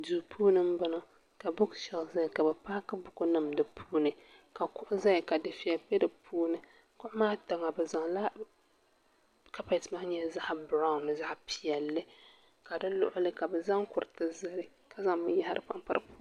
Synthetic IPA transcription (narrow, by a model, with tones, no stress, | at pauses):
du˨pʰuː˦nɨ˦m̩˦bɨ˦no˦ | ka˨bʊ˦kʃɛ˨lza˦jka˨bɛ˨paː˦ka˦bʊ˦˨kʊ˦nɨ˦mdɨ˨pʰuː˦nɨ˨ | ka˨kʊ˦ʔʊ˦za˦jka˨dɨ˨fi˨jɛ˨pɛ˦dɨ˨pʰuː˦nɨ˨ | kʊ˦ʔʊ˦maː˦ta˨ŋa˨bɛ˨za˨ŋla˦ | ka˦pa˨tma˦ɲɛ˦za˦ʔbɾa˦ʊ˦nɨ˨za˦ʔpi˨jɛ˨lːɨ˦ | ka˨dɨ˦lʊ̰˨ʔʊ˦lɨ˦ka˨bɛ˨za˦ŋkʊ˨ɾɨ˨tɨ˦zɨ˦ɾɨ˦ | ka˨za˦ŋbɨ˦a˦ha˦ɾʔɨ̰˦pa˦mpa̰˦ɾpu̥˦